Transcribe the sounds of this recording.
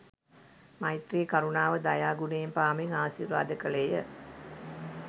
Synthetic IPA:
mɐjt̪reːkɐɾunaːʋəd̪ajaːɡuneːmpaːmiŋaːʃiɾʋa̰ːd̪əkəlejə

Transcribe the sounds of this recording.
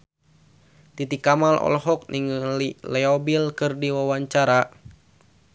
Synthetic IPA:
t̪it̪ikamalɔ̰lɦɔk̚nʔiŋlilɛɔbilkɨrdiwawaɲt͡ʃaɾa

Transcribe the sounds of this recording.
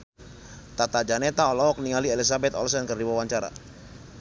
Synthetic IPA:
t̪at̪ad͡ʒanet̪aɔlɔɔk̚niŋalielisabɛt̪ɔ̰lsɛnkərdiwawaɲt͡ʃaɾa̰

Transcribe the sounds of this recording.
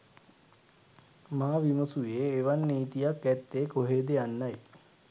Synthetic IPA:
maːʋiməsujeːʋanːiːt̪ijakːɛt̪ːeːkoɦeːd̪ejanːaj

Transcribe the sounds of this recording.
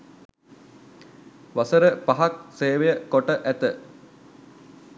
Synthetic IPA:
ʋasəɾəpaɦak̚seːʋejəkoʈəʔæt̪ə

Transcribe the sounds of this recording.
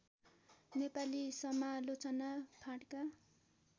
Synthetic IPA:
nepalisʌmalot͡sʌnapʰaɽka

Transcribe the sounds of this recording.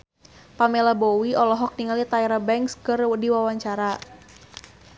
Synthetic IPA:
pamɛlabɔwiʔɔlɔɦɔk̚niŋalit̪aɛɾabɛŋkskərdiwawaɲt͡ʃaɾa

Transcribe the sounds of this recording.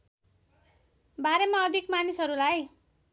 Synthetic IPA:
baɾemaʌd̪ʱikmanisɦʌɾulaj

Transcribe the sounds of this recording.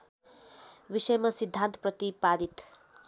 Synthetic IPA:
ʋisəjmasid̪ʱːant̪pɾʌt̪ipad̪it̪

